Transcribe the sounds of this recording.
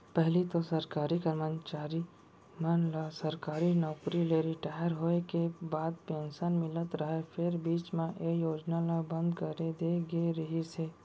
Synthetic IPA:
pəɦlit̪osəɾkaːɾikəɾmət͡ʃaːɾi | mənlasəɾkaːɾinɔːkɾileɾɪʈaːjəɾɦoekebaːd̪̚pẽːnʃənmɪlət̪ɾəɦepʰɪɾbiːt͡ʃmẽʔejoːd͡ʒnalabə̃nd̪kəɾed̪eɡeɾəɦiseː

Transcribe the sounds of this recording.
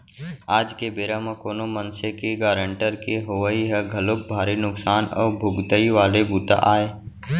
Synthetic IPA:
aːd͡ʒkebeːɾamãkoːnomənsekeɡaːɾə̃ɳʈəɾkeɦoʋəiɦɛɡʱəlʊb̚bʱaːɾinʊksaːnɔ̰ːɾbʱʊɡt̪əiʋaːlebuːt̪a̰ʔaːeː

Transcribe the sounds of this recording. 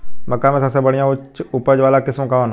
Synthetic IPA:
mɐkːamẽsəbsebɐɽijãʊt͡ʃʊpəd͡ʒʋaːlakɪsmkan

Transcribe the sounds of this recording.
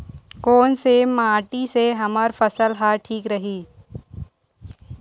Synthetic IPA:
kɔːnsemaːʈiseɦɐməɾfəsəlɦaʈʰiːkɾɐɦiː

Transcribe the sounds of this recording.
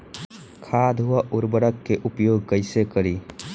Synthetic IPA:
kʰaːd̪ʱɦʊaʔʊɾbəɾəkːeʔʊpjoːɡ̚kəɪsekəɾiː

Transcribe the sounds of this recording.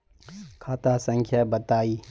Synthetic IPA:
kʰaːt̪asə̃ŋkʰjabɐt̪aːiː

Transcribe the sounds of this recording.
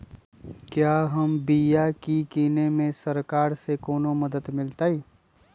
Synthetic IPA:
kjaːɦɐmbijakikiːnemẽsɐɾkaːɾsekɔːnomɐd̪əd̪mɪlt̪aːiː

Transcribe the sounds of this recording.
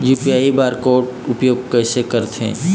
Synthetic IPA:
juːpiaːibaːɾkoːʈʊpjoːɡ̚kɛːsekəɾt̪ʰḛ̃ː

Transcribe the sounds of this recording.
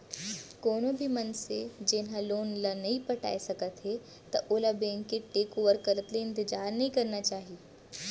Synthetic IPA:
koːnõbʱimɐnsed͡ʒeːnɦaloːnlanɐɦĩpɐʈa̰ːesɐkət̪ɦe | t̪ɐ̰ʔoːlabẽːŋkːeʈeːkoːʋəɾkɐɾət̪leɪ̃nt̪ɪd͡ʒaːɾnɐɦĩkɐɾnat͡ʃaːɦieː

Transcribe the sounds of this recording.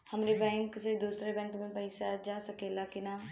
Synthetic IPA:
hɐmɾebɛ̃ːŋksed̪uːsɾebɛ̃ːŋkmẽpɐɪsad͡ʒaːsɐkeːlakɪnaː

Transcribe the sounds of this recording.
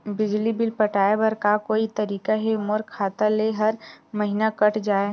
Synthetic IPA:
bɪd͡ʒlibɪlpɐʈaːebəɾkakoːit̪ɐɾiːkaɦemoːɾkʰːaːt̪aleɦɐɾmɐɦinakɐʈʰd͡ʒaːe

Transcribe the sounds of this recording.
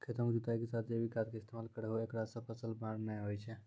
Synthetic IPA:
kʰet̪omkd͡ʒut̪ajkesat̪ʰd͡ʒebʱikat̪̚keɪst̪ʰemalkəɾeɦoekɽasə̃pʰəsəlbaɾnɛɦojt͡ʃʰɛ

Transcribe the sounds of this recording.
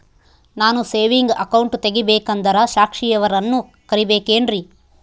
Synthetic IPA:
naːnuseːʋiŋɡɐkɐwɳʈt̪eɡibeːkɐnd̪ɐɾɐʃaːkʂijɐʋɐɾɐnːu | kɐɾibeːkeːnɾi

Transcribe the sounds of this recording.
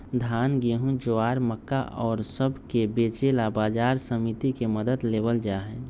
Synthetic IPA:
d̪ʱaːnɡeːɦũd͡ʒoaːɾməkːa̰ʔɔːɾsəbʱkebeːt͡ʃelabaːd͡ʒaːɾsəmit̪ikeməd̪əd̪leːbəld͡ʒaːɦɛ

